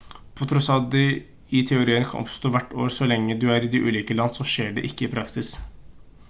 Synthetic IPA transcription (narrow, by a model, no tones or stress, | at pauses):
pʰɔt̪ʰɾɔsɑd̪ɪ | ɪt̪ʰɛʊɾiːənkʰɑ̰nʔɔ̰pst̪oːʋæʈːo̰ːɾsɔlɛŋːəd̪ʉæɾɪd̪ɪʔʉ̰ːliːkəlɑnːsɔʂeːɖɛ̰ʔɪkːəɪːpʰɾɑksɪs